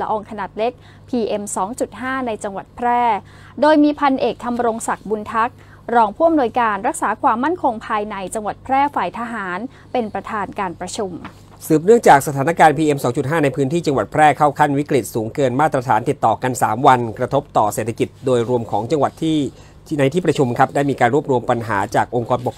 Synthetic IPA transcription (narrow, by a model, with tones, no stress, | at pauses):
la˧ʔɔː˧ŋkʰa˧naː˨˩t̪̚le˦˥k̚ | pʰiː˧ʔe˧msɔː˩˦ŋt͡ɕu˨˩t̪̚ɦaː˥˩na˧jt͡ɕa˧ŋwa˨˩t̪̚pʰɾɛː˥˩ | doː˧jmiː˧pʰa˧nʔeː˨˩k̚t̪ʰa˧mɾo˧ŋsa˨˩k̚bu˧nt̪ʰa˦˥k̚ | ɾɔː˧ŋpʰuː˥˩ʔa˨mnu˧jkaː˧nɾa˦˥k̚saː˩˦kʰwaː˧mːa˥˩nkʰo˧ŋpʰaː˧jna˧jt͡ɕa˧ŋwa˨˩t̪̚pʰɾɛː˥˩faː˨˩jt̪ʰa˧ɦaː˩˦n | pe˧npɾa˧t̪ʰaː˧nkaː˧npɾa˧t͡ɕʰu˧m | sɯː˨˩p̚nɯ˥˩əŋt͡ɕaː˨˩k̚sa˧t̪ʰaː˩˦na˦˥kaː˧npʰiː˧ʔe˧msɔː˩˦ŋt͡ɕu˨˩t̪ɦaː˥˩na˧jpʰɯː˦˥nt̪ʰiː˥˩t͡ɕa˧ŋwa˨˩t̪̚pʰɾɛː˥˩kʰa˥˩wkʰa˥˩nwi˦˥kɾi˨˩t̪̚suː˩˦ŋkɤː˧nmaː˥˩t̪ːɾa˧t̪ʰaː˩˦nt̪i˨˩t̪ːɔː˨˩ka˧nsaː˩˦mwa˧nkɾa˧t̪ʰo˦˥p̚t̪ɔː˨˩seː˨˩t̪ʰːa˧ki˨˩t̪̚doː˧jɾu˧əmkʰɔː˩˦ŋt͡ɕa˧ŋwa˨˩t̪ʰːiː˥˩ | na˧jt̪ʰiː˥˩pɾa˧t͡ɕʰu˧mkʰa˦˥p̚daː˥˩jmiː˧kaː˧nɾu˥əp̚ɾu˧əmpa˧nɦa̰ː˩˦t͡ɕaː˨˩k̚ʔo˧ŋkɔː˧npo˨˩k